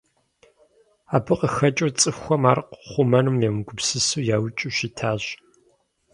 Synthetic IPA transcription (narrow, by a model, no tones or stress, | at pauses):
aːbɨqʼəxɐt͡ʃʼɐrt͡sʼɨxʷɔmaːrqχʷʊmɐnumjɛmɨɡʷʊpsɨsuːjaːwt͡ʃʼuʃitʰaːʑ